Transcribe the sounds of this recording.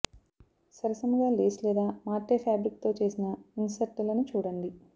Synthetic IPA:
sɐɾɐsɐmɐɡaːleːslɛːd̪aːmaːʈeːpʰjaːbɾik̚t̪o̞ːt͡ʃe̞ːsinɐinsɐɾʈlɐnut͡ʃuːɽɐɳɖi

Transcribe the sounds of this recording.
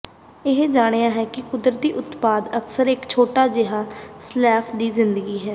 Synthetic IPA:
ɪɦd͡ʒaːɽ̃ejaːɦɛːkɪkʊd̪ɾət̪̚d̪iːʔʊt̪paːd̪əksəɾɪkt͡ʃʰoːʈaːd͡ʒɪɦaːslɛːpʰd̪iːzɪ̃nd̪əɡiːɦɛː

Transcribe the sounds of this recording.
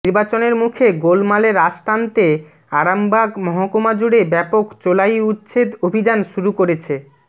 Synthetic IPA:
iɾbat͡ɕoneɾmukʰeɡolmaleɾaʃʈant̪e | aɾambʱaɡmɔɦokomad͡ʑuɽebɛpokt͡ɕolajut̪ːɕʰed̪obʱid͡ʑanʃuɾukoɾet͡ɕʰe

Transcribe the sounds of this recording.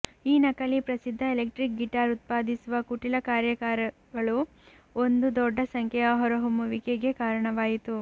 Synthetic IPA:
iːnɐkɐlipɾɐsid̪ʱːɐelek̚ʈɾik̚ɡiʈaːɾut̪̚paːd̪isuʋɐkuʈilɐkaːɾjɐkaːɾɐ | ɡɐɭu | ond̪ud̪ɔɖːɐsɐŋkʰɛjɐɦɔɾɐɦumuʋikeɡe̞kaːɾɐɳɐʋaːjit̪u

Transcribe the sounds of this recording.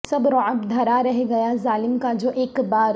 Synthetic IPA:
sɐbɾɔəbd̪ʱɐɾaɾɛɦɡɐjazaːlɪmkad͡ʒoːʔeːkbaːɾ

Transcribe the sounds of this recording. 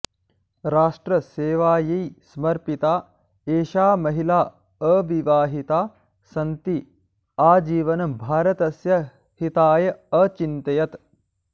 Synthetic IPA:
ɾaːʂʈɾɐseːʋaːjijsɐmɐɾpit̪aː | eːʃaːmɐɦilaː | əʋiʋaːɦit̪aː | sɐnt̪i | aːd͡ʒiːʋɐnɐbʱaːɾɐt̪ɐsjɐ | hit̪aːjɐɐt͡ʃint̪ɐjɐt̪

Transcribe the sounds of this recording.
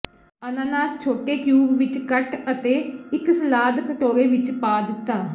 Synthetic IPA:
ənãːnaːst͡ʃʰoːʈeːkjuːbʋɪt͡ʃkəʈət̪eːɪksəlaːd̪kəʈoːɾeːʋɪt͡ʃpaːd̪ɪt̪ːaː

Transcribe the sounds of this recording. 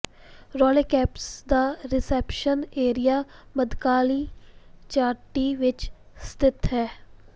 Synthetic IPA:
ɾɔːlekɛːpsd̪aːɾɪsɛpʃəneːɾijaːməd̪kaːlit͡ʃaːɾʈiʋɪt͡ʃ | st̪ɪt̪ɦɛː

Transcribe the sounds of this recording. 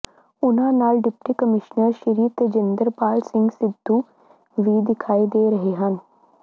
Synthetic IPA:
ʊnɦãnaːlɖɪpʈikəmɪʃnəɾʃɪɾiːt̪d͡ʒɪ̃nd̪əɾpaːlsɪ̃ŋɡsɪd̪ʱːu | ʋiːd̪ɪkʰaːid̪eːɾɐɦeɦɐ̃n

